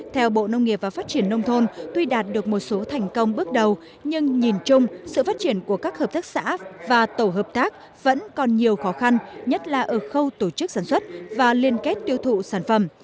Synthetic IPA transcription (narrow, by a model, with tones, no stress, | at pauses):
t̪ʰɛ˧wɓo̰˧˨nə˧wŋ͡mŋi˨˩əp̚vaː˨˩faː˦˥t̚t͡ɕi˧˩ənːə˧wŋ͡mt̪ʰo˧nt̪wi˧ɗaː˨˩t̚ɗɨ˨˩ək̚mo˨˩t̚so˨˦t̪ʰɛ˨˩jŋ̟kə˧wŋ͡mɓɨ˦˥ək̚ɗə˨˩w | ɲɨ˧ŋɲi˨˩nt͡ɕʊ˧ŋ͡msɨ̰˧˨faː˦˥t̚t͡ɕi˧˩ənku˧˩əkaː˦˥k̚həː˨˩p̚t̪aː˦˥k̚sa̰ː˧˥vaː˨˩t̪o˧˩ɦəː˨˩p̚t̪aː˦˥k̚ | və̰˧˥nkɔ˨˩nɲi˨˩əwxɔ˨˦xa˧nɲə˦˥t̚laː˨˩ʔəː˧˩xə˧wt̪o˧˩t͡ɕɨ˦˥k̚saː˧˩nswə˦˥t̚vaː˨˩li˧ənke˦˥t̚t̪i˧əwt̪ʰṵ˧˨saː˧˩nfə˧˩m